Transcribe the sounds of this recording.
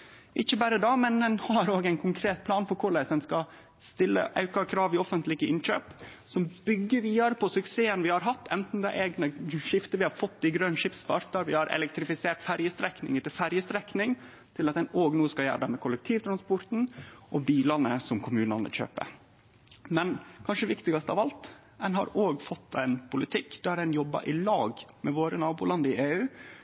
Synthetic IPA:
ʔɪçəbæːɾəd̪ɑːmɛnd̪ɛnhɑɾoːɡæɪnkʰʊŋkʰɾeːt̪̚pʰlɑːnfɔɾkʰʊɭæsd̪ɛnskɑ | st̪ɪlːə̰ʔɑʉkɑkʰɾɑːʋɪɔfənt̪lɪɡəɪnc͡çø̰ːp | sɔmbʏɡːəʋiːɑɾpʰɔsʉkseːənʋɪhɑɾɦɑt̪ːɛnt̪n̩d̪æɪʔeːɡnəʃɪft̪əʋɪhɑɾfɔt̪ːɪɡɾœnʂɪpspɑɾt̪ɑɾʋɪhɑɾʔɛ̰lɛkt̪ɾɪfɪseːʈfæɾjəst̪ɾɛknɪ̰ŋət̪ɪlfæɾjəst̪ɾɛknɪŋ | t̪ʰɪlɑt̪̚d̪ɛnoːɡnuːskɑljæ̰ːɖɑmɛkʰʊlɛk̚t̪ʰiːʋt̪ʰɾɑnspɔɾt̪n̩ʔɔbiːlɑnəsɔmkʰʊmʉːnɑnə̰çø̰ːpə̰ | mɛnkʰɑnʂəɛʋɪkt̪ɪɡɑst̪ɑʋɑlt̪ | ɛnɦɑ̰ɾoːɡfɔt̪ʰːɛɪnpʰʊlɪt̪ʰɪkːd̪̥æɾdɛnjɔbːə̰ʔɪlɑːɡmɛʋoːɾənɑːbuːlɑnd̪əɪʔeːʉː

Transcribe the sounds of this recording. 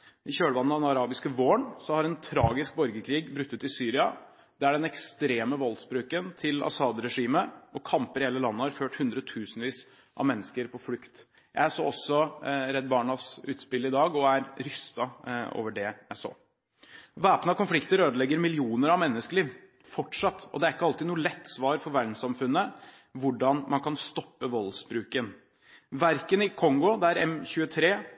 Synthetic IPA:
ɪɕøːɽəʋɑnːd̪ɛnɑɾɑːbɪskəʋoːɳsɔhɑɾɛnt̪ʰɾɑːɡɪsk̚bɔɾɡəkʰɾiːɡbɾʉt̪ːət̪ɪsyːɾɪɑ | d̪̥ɛææɖɛnɛkst̪ɾeːməʋɔlsbɾʉːkənt̪ʰɪlɑ̰sɑːd̪ɾɛʂiːməʔɔkʰɑmpəɾheːləlɑnːəhɑɾføːʈhʉnd̪ɾəɔt̪ʰʉːsnʋiːs | ʔɑ̰ʋmɛnːəskəɾpʰɔflʉkt̪ | jæ̰ɪæso̰ːɔsːɔɾɛd̪̚bɑːɳɑsʉ̰ːt̪spɪlːɪd̪ɑːɡɔæɾɾʏst̪ɑo̰ːʋəɖɛjæɪso̰ː | ʋæːpnəɑkʊnflɪkt̪əɾøːd̪əlɛɡːəɾmɪlɪuːnəɾɑʋmɛnːəskəɭiːʋ | fɔʈʂɑt̪ːɔ̰d̪ɛæɾɪkːəɑlt̪ɪːnuːəlɛt̪ːsʋɑːɾfɔɾʋæɖɳ̩sɑmfʉnːə | ʋʊɖɑnmʔɑnkʰɑnst̪ɔpːəʋɔlsbɾʉːkən | ʋæɾkənɪkʰɔŋɡɔd̪ɛæɾɛmçʉːət̪ʰɾeː

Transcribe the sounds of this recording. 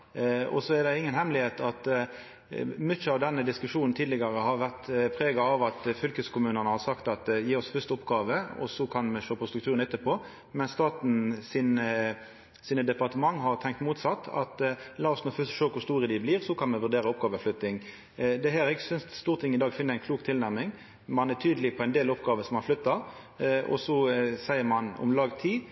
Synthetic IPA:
ɔ̰sɔɛɾd̪ɛɪŋːənhɛmlɪheːt̪ɑt̪ | mʏəɑʋd̪ɛnːəd̪ɪskʉʂuːnn̩t̪ʰiːd̪lɪɡɑɾəhɑɾʋæʁt̪pʰɾeːɡɑɑʋɑt̪fʏlkəskʰʊmʉːnənəhɑɾsɑkt̪ɑt̪jiːɔsfʏst̪əɔpɡɑːʋəɔ̰sɔkʰɑnmɛʂøːpʰɔst̪ɾʉkt̪ʰʉːɾənɛt̪ːəpʰɔː | mɛnst̪ɑːt̪n̩sɪnə | siːnəd̪ɛpɑʁt̪əmɑŋːɦɑʁt̪ʰɛŋk̚t̪muːt̪sɑt̪ːɑ̰t̪lɑːɔsnoːfʏst̪ʃøːkʰʊɾst̪uːʁəd̪ɪbliːʁsɔkʰɑnmɛʋʉd̪eːɾəɔpɡɑːʋəflʏt̪ːɪŋ | d̪ɛɦæːɾɛɡəsʏnsst̪uːʁt̪ʰɪŋːɪd̪ɑːɡfɪnːəɾæɪnkʰluːkt̪ʰɪlnæʁmɪŋ | mɑnæt̪ʰyːd̪əlɪpʰɔæɪnd̪eːlɔpɡɑːʋəsɔmɑnflʏt̪ːɑɾ | ɔ̰sɔsæɪəmɑnɔ̰mlɑːɡt̪ʰiː

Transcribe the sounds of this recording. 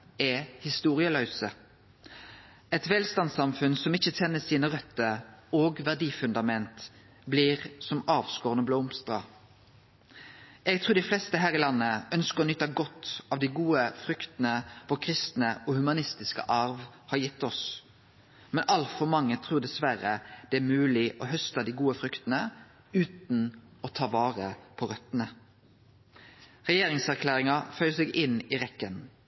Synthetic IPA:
ɛhɪst̪uːʁɪəlœʉsə | ɛt̪ʋɛːlst̪ɑnsɑmfʉnsɔmɪçːətɛnːəsiːnəʁœt̪ːəoːɡʋæʁd̪iːfʉnd̪ɑmɛnt̪ | bliːʁsɔmɑːʋskoːʁənəbloːmst̪ʁɑ̰ | ɛɡ̚t̪ʰʁuːʁd̪ɪflɛst̪əɦæːʁɪlɑnːəœnskəʁɔnʏt̪ːɑɡɔt̪ːɑʋd̪æɪɡuːəfʁʏkt̪nəfɔkʰɾɪst̪nəɔhʉmɑnɪst̪ɪskə̰ʔɑɾʋhɑɾjɪt̪ːɔs | mɛnʔɑlt̪fɔɾmɑŋːət̪ʰɾuːʁd̪ɛsʋæɾəd̪̥ɛæːɾmʉːlɪʔɔhœst̪ɑd̪iːɡuːəfɾʏkt̪nə | ʉːt̪nɔt̪ʰɑːʋɑːʁəpʰɔʁœt̪nə | ʁɛjeːɾɪŋsæʁkʰlæːʁɪŋɑfœʏsɛɡɪniɾɛkːən

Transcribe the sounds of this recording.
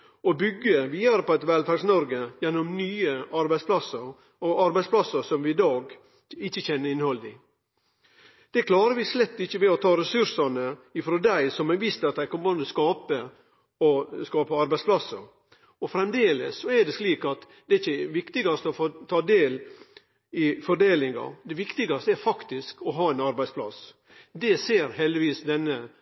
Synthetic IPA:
ɔbʏɡːəʋiːd̪ɑɾəpɔɛt̪ʋɛlfɑɡsnɔɾɡəjɛnːɔmnyːəɑɾbæɪspʰlɑsəɾ | ɔɑɾbæɪspʰlɑsːəɾsɔmʋɪɪd̪ɑːɡ | ɪçːəçɛnːəɾɪnhɔld̪ɪ | d̪̥ɛkʰlɑːɾəʋɪslɛt̪ːɪçːəʋɛɔt̪ʰɑːɾɛsʉɾsɑnəɪfɾoːd̪æɪsɔmɛʋist̪ɑt̪̚d̪æɪkʰɔmːnd̪əskɑːpə | ɔskɑːpəɑɾbæɪspʰlɑsːəɾ | ɔfɾɛmd̪eːlə̰sːɔɛɖɛsliːkɑt̪ | d̪ɛɪçːəʋɪkt̪ɪɡɑst̪əɔfot̪ʰɑːd̪eːl | ɪfɔɖ̪eːlɪŋɑ̰d̪ɛʋɪkt̪ɪɡɑst̪əæɾfɑkt̪ɪskɔɦɑːæɪnɑɾbæɪspʰlɑ̰s | d̪ɛseːɾɦɛld̪ɪʋiːsd̪ɛnːə

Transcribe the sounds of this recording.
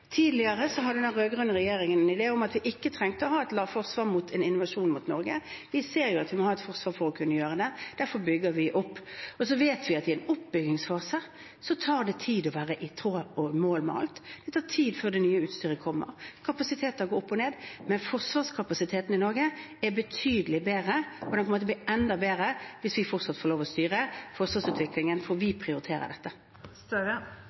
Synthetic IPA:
t̪ʰiːd̪lɪəɾəsɔɦɑd̪ɛnæɾøːɡʁʉnːʁɛjeːɾɪŋənɛnɪd̪eːʊmɑt̪ʋɪʔɪkːət̪ʰɾɛŋt̪əɔhɑːɛt̪lɑːʋfɔʁsʋɑːʁmuːt̪ʰɛnɪnːʊʋɑʂuːnmʊt̪nɔɾɡəʋɪseːɾjʊɑt̪ʋɪmɔhɑːɛt̪fɔʁsʋɑːɾfɔɾɔkʰʉnːəjøːʁəd̪ɛd̪̥æɾfɔɾbʏɡːəɾʋɪʔʊpːɔs̬ɔʋeːt̪ʋɪɑt̪ɪɛnʊpbʏɡɪŋsfɑːsə | sɔt̪ʰɑːʁd̪ɛt̪ʰiːd̪ɔʋæːɾəʔɪt̪ʰɾoːɔmoːlmɛɑ̰lt̪d̪̥ɛt̪ʰɑːt̪ʰiːd̪føːɾd̪ɛnyːəʉːt̪st̪yːɾəkʰɔmːə̰ɾkʰɑpɑsɪt̪ʰeːt̪ɑɡoːʊpːɔneːd̪mɛnfɔʁsʋɑːskʰɑpɑsɪt̪ʰeːt̪n̩ɪnɔɾɡə | ɛbət̪ʰyːd̪əlɪbeːɾəɔd̪ɛnpʰɔmoːt̪əbliɛnd̪ɑbeːɾəʋɪsʋɪfɔɾt̪sɑt̪ːfɔʁloːʋɔst̪yːɾəfɔʁsʋɑːsʉːt̪ʋɪklɪŋənfɔɾʋɪpʰʁɪʊɾɪt̪ʰeːɾə̰d̪ɛt̪ːə

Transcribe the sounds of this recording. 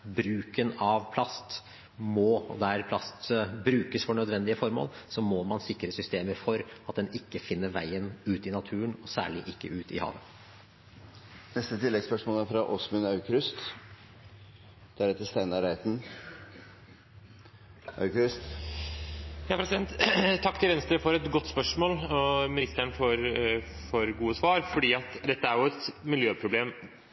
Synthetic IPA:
bɾʉːkənɑʋpʰlɑst̪ | mɔd̪æɾpʰlɑst̪bɾʉːkəsfɔɳœd̪ʋɛnd̪ɪəfɔɾmo̰ːlsɔmɔmɑnsɪkːɾəsʏst̪eːməɾfɔɾɑt̪̚d̪ɛnɪkːəfɪnːəɾʋæɪənʉːt̪ɪnɑt̪ʰʉːənɔsæ̰ːɭɪʔɪkːəʉːt̪ɪ̰hɑ̰ːʋən | nɛst̪ət̪ʰɪlːɛɡspœʂmoːlæɾfɾɑʔɔsmʉnɑʉkɾʉst̪ | d̪̥æɾeːt̪əɾst̪æɪnɑɾæɪt̪n̩ | ʔɑ̰ʉkɾʏst̪ | jɑːpɾɛsɪd̪ɛnt̪t̪ʰːɑkːt̪ʰɪlʋɛnst̪əɾəfɔɾɛt̪ɡɔt̪ːspœʂmoːlɔmɪnɪst̪əɳfɔɾ | fɔɾɡuːəsʋɑːɾfɔɖiːɑt̪d̪ɛt̪ːəæɾjʊɛt̪mɪljøːpʰɾʊbleːm

